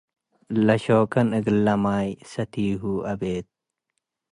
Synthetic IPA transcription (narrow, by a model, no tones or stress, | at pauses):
lɐʃoːkɐnɨɡlːɐmaːjsɐt̪ʰiːɦuʔɐbeːt̪̚